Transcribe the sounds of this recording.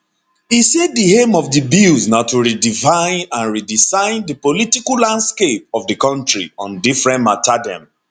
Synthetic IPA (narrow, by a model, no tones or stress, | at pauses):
iseddihẽmɔvdəbilznaʊtuɹidivãɪ̃nãnɹidisãɪ̃ndəpolitikalãndskep̚ɔvdəkɔ̃ntɹḭɔ̃ndifɹɛ̃nmatadɛ̰̃m